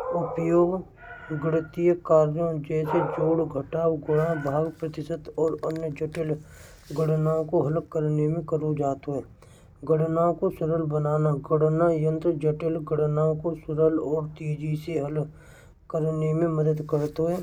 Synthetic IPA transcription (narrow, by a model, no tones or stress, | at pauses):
ʊpjoːɡ | ɡɽt̪ijəkaːɾjõd͡ʒɛːsed͡ʒoːɽɡʱəʈaːwɡʊɽãbʱaːɡpɾət̪ɪʃət̪ɔːɾənjəd͡ʒəʈɪl | ɡəɽnaõkoɦɐlkkːəɾnemẽkəɾod͡ʒaːt̪oɦɛː | ɡəɽnaːõkosʊɾəlbənaːnaɡəɽnajə̃nt̪ɾəd͡ʒəʈɪlɡəɽnaːõkosʊɾəlɔːɾt̪iːd͡ʒiseɦəl | kəɾnemẽməd̪əd̪kəɾt̪oɦɛː